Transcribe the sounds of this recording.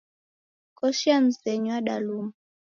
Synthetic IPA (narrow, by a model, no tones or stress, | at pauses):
kɔʃiam̩sɛɲɔaɗaluma